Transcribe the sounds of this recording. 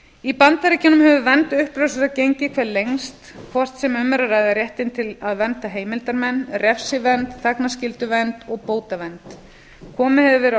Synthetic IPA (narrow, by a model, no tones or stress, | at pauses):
ipant̪aɾɪcɪnːʏmhɛvʏvɛnt̪ʏhpɾœsʏɾacejɲcɪkʰvɛɾlejŋst̪kʰvɔr̥t̪sɛmʏmːɛɾaɾajðɪrjɛht̪ɪnt̪ʰɪlaðvɛnt̪aɦeːjmɪlt̪aɾmɛnrɛfsɪvɛnt̪θaknascɪlt̪ʏvɛnt̪ɔɣpoːwt̪avɛnt̪ | kʰɔːmɪhɛðvʏvɛɾ